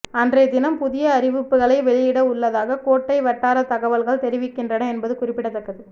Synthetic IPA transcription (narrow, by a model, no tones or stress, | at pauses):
ɐndreːd̪ɪnɐmpʊðɪjɐːɾɪʋɯpːɯɣɐɭɐɪʋɛɭɪjɪɽɐʊɭːɐðaːɣɐkoːʈːɐɪʋɐʈːaːɾɐt̪ɐɣɐʋɐlɣɐɭt̪ɛɾɪʋɪkːɪndrɐnɐɛnbɐðɯkʊrɪpːɪɽɐt̪ːɐkːɐðɯ